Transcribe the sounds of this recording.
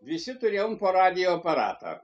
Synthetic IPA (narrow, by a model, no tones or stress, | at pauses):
visit̪uɾjaumpɔɾad̪iopɛɾa̰ːt̪a̰